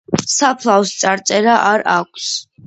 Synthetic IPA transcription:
sapʰlˠavst̪sʼaɾt̪sʼɛɾaʔaɾakʷʰs

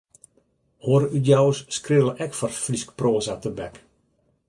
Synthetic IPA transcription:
hoəɾəydjawəsskrɪəlˠəʔɛkfɔrfliskproːzatəbɛk

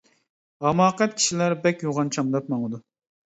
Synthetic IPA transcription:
ɑmɑːqɛt̪̚kʲʰi̥ʃilæɾbɛkʲjoʁɑnt͡ʃʰɑmd̪ɑp̚mɑŋəd̪u

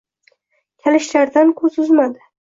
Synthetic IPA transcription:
kʲʰalɪʃlaɾd̪ankʰɵzʊzmad̪ɪ

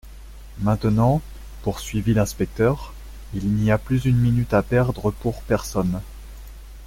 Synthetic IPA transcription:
mɛ̃t̪ənɑ̃ | puʁsɥivilɛ̃spɛk̚t̪œʁ | ilniaplyzynminyt̪apɛʁd̪ʁəpuʁpɛʁsɔn

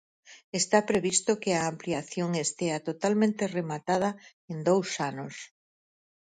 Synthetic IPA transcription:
est̪apɾeβist̪okeaːmpliaθjoŋest̪eat̪ot̪almẽnt̪eremat̪að̞ɐ | end̪owsanos

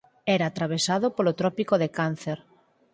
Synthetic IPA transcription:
ɛɾaːt̪ɾaβ̞esaðopolot̪ɾɔpikoðekan̟θeɾ

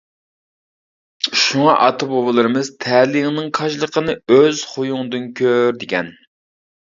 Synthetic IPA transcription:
ʃuŋɑʔɑt̪ʰɨbobɨlˠɨɾɨmɨz̥t̪ʰɛlɪŋnɨŋqʰɑʃlˠəqənɨøz̥χojuŋd̪ɨnkʲʰøɾd̪ɪkʲʰɛn

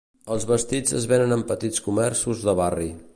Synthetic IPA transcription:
əlˠzβəst̪id͡zəzβenənəmpət̪it͡skumɛrsuzðəβari

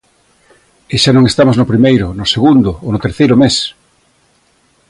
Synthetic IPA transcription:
ɪʃanõŋest̪amoznʊpɾimejɾʊnʊseɣund̪ʊonʊt̪eɾθejɾʊmes

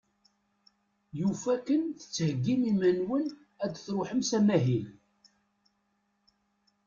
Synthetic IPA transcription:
jufækːənθə̥t͡sːhəɡːimimənwən | æd̪θɾʊħəmsæmæɦil

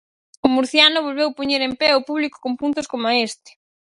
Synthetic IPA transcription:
ʊmuɾθjanʊβ̞olβewpoɲeɾempɛʊpuβliko̥kompunt̪ʊskomʊaest̪ɪ̥

